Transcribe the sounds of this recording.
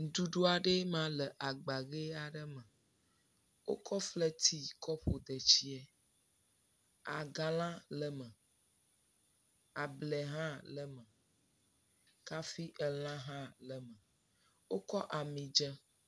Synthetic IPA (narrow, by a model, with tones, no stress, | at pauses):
n̩˨d̪u˦ɖo˦a˨ɖe˦mã˦lə˨ʔa˨ɡ͡ba˨ɣe˦a˨ɖə˦mə˨ | wo̰˦kʰɔ˦flɛ˦t̪ʰi˦kʰɔ˦ɸo˨d̪ə˨t͡ɕi˦ɛ˦ | a˨ɡa˨l̃ã˦lə˨mə̃˨ | a˨blɛ˨ɦã˦lə˨mə˨ | ka˦fi˦ʔə˨l̃ã˦ɦã˦lə˨mə˨ | wo˦kɔ˦ʔa˨mĩ˨d͡ʒə˦